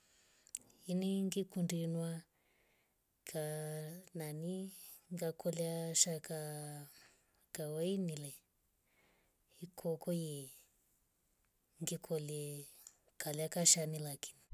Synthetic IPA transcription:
iniŋɡikundinwa | kʰananiŋɡakʰɔljaʃaka | kawainilɛ | ikʰɔkɔje | ŋɡikʰɔlɛ | kaljakaʃanilakʰi̥ni

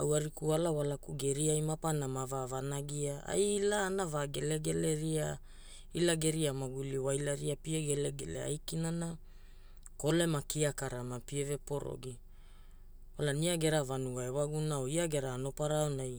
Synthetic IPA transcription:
awaɾikualawalakuɡe̞ɾiajmapanamavavanaɡiaa̰jlaːnavaɡe̞le̞ɡe̞le̞ɾia | ilaɡe̞ɾiamaɡuliwajlaɾiapieɡeleɡḛlḛa̰jkinana | ko̞le̞makiakaɾamapieve̞po̞ɾo̞̰ɡi | walaniaɡe̞ɾavanuɡaewaɡunaoiaɡe̞ɾaːno̞paɾaonaj

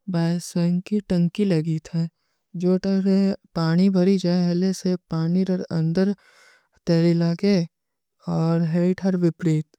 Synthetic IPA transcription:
baːsəŋkiʈɐ̃ŋkilɐɡit̪ʰɛː | d͡ʒoːʈɐɾepaːɽ̃ibʱɐɾid͡ʒaːeɦlesepaːniɾɐɾɐ̰̃nd̪əɾ | t̪eːɾɪlaːke | ɔːɾɦeiʈʰɐɾʋɪpɾiːt̪

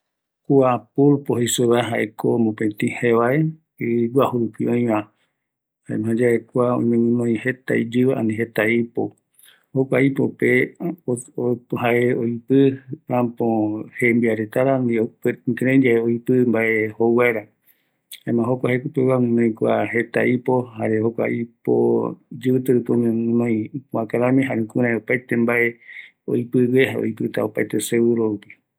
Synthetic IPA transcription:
kuapulpohesoβaɦaʔekʰomõpẽt̪ĩhẽʋae | iɡʷahuɾupiõj̃ʋã | haḛmɦãd͡ʒaekʷaõ̰j̃mẽŋũnõj̃het̪a̰id͡ʒɨʋaa̰nĩɦet̪aipo | hokʷaipope | ohaʔeojpɨãpõhembiaɾet̪aɾamiokeɾẽd͡ʒaeoipɨmbaʔehowaeɾa | hamãɦokʷahekupewãnõj̃kʷaɦe̞t̪a̰ʔipo̞haɾehokʷa̰ipo̰d͡ʒɨɨt̪ɨɾɨkom̃nõj̃puãkaɾãmĩɦaɾẽkuɾãẽopajt̪embaʔe | o̰jpɨβeɦao̰ipɨt̪a̰opajt̪esewɨɾoupi

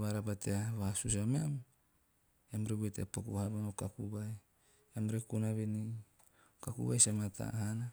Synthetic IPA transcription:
βaɾapateaβasus̬ameam | amɾewueteapakṵhaɾanokakuβaj | amɾekunaβeni | kakṵβajsamatʰa̰hana

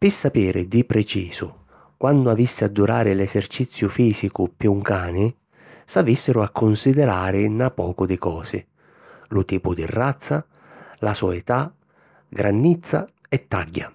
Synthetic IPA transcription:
pɪsːapiːɾɪd̪ipɾɛt͡ʃiːsʊ̰ | kwand̪ʊavisːɪad̪ːuɾaːɾɪlɛsert͡ʃit̪sːjʊfiːsikʊpjuŋkaːnɪ | savisːɪɾʊakʰːʊnsid̪ɛɾaːɾɪnapɔːkʊd̪ɪkɔːsɪ̰ | lʊt̪iːpʊd̪ḭrːat̪sːa | lasɔɛt̪a | ɡɾʔanːit̪sːa̰ɛt̪ːaɟːa̰

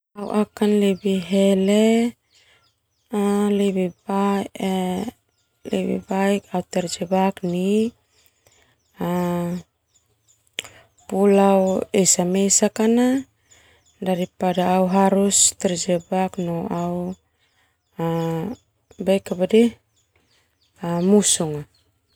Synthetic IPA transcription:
aw̰ʔakanlibiɦele | aleβiba | lḛβḭbajkaut̪ɛɾd͡ʒebakni | a | pulawejsamejsakana | daɾipadaːwɦaɾust̪eɾd͡ʒebaknoaw | a | bejkabade | amusuŋa

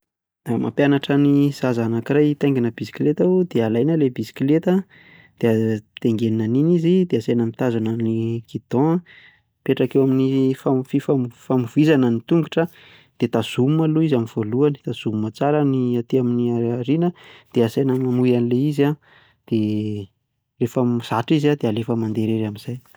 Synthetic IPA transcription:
amʔa̰pjanaʈ͡ʂaniz̥azanakirajt̪ajŋɡinəbisi̥kilet̪aud̪̥ealajnəlebisi̥kilet̪ə | d̪̥eat̪eŋɡeninaninizid̪̥easajnəmit̪azananikʰid̪̥ɔ̃ | peʈ͡ʂakewaminifafifamfamuv̥izanənit̪uŋɡuʈ͡ʂə | d̪̥et̪az̥umumaluizamivoluani̥t̪az̥umumat͡saɾəniat̪iaminiaaɾinəd̪̥easajnəmamujanileiza | d̪̥e | refəmz̥aʈ͡ʂizad̪ealefəmand̪eɾeɾamiz̥aj

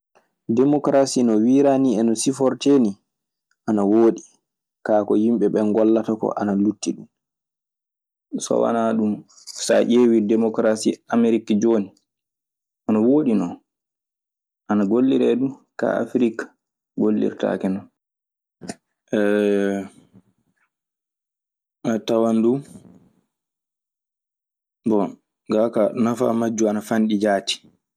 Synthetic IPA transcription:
dɛmɔkɾasinɔwiɾaniɛnɔsifɔɾteːni | ʔanawoːɗi | kaːkɔhimɓɛɓɛnɡɔlːatakɔ̰ʔanalutːiɗum | sɔ̰wa̰naɗum | sa̰ʔeːwidɛmɔkɾasiameɾikd͡ʒoːni | ʔɔnɔwoːɗinɔn | ʔanaɡolːiɾɛɗuka̰a̰fɾikḁ | ɡolːḭɾta̰kɛnɔn | ʔɛ | ɛtawandu | bɔ | ɡakanafa̰mad͡ʒːuanafanɗid͡ʒaːti̥

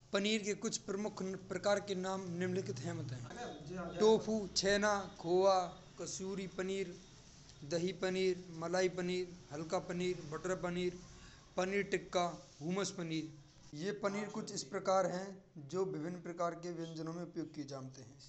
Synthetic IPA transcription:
pəniːɾkekʊt͡ʃʰpɾəmʊkʰpɾəkaːɾkenaːmnɪmlɪkɪt̪ɦɛːmət̪ɦɛ̃ːʈoːpʰuːt͡ʃʰɛːnakʰoːʋa | kəsuːɾipəniːɾ | d̪əɦipəniːɾməlaːipəniːɾɦɐlkapəniːɾbəʈɾap̬əniːɾ | pəniːɾʈɪkːaɦuːməspəniːɾ | jepəniːɾkʊt͡ʃʰɪspɾəkaːɾɦɛ̃d͡ʒoːbɪbʱɪnːpɾəkaːɾkeʋɐ̃nd͡ʒənõmẽʊpjoːɡ̚kied͡ʒaːnt̪eɦɛ̃ː

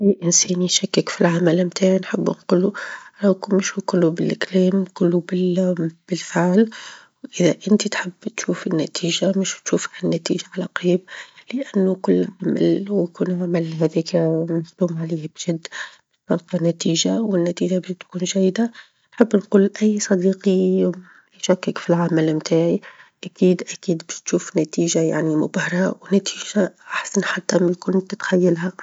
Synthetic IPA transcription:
ʔæjːʔɪnsɛːniʃakːɪkfilʕamalmt̪aʕinħɪbːnquluɾˤɑkmɪʃukʊlːubɪlʔɪkliːmkʊlːubɪb̥ɪlfɪʕl | wʔɪðaʔɪnt̪it̪ħɪbːt̪ʃuːfɪnːæt̪ʰiːʒamɪʃt̪ʃuːfanːæt̪ḭːʒaʕalaqɾiːb̚lɪʔanːukʊlːʕama̰lwkuːnʕamalɦæðiːkmafd̪uːmʕaliːhbʒɪd̪ːbɪsɑlq̪ɑnæt̪iːʒawɪnːæt̪iːʒabɪʃt̪kuːnʒæjd̪a | nħəbːnquːlʔæjːsˤɑd̪iːqi | jʃækːɪkfilʕamælmt̪ʰaːʕiʔækiːd̪ʔækiːd̪bɪʃt̪ʃuːfnæt̪iːʒaja̰ʕnimʊbɑhɾˤɑwnæt̪ʰiːʒaʔaħsanħat̪ːamæjkʊnt̪ɪt̪xæjːalɦa

